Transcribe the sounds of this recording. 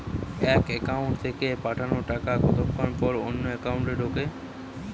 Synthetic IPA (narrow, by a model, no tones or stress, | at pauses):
ɛkekaʊɳʈt̪ʰekepaʈʰanoʈakaɡɔt̪opkʰanpɔɾonːoekauɳʈeɖʱoke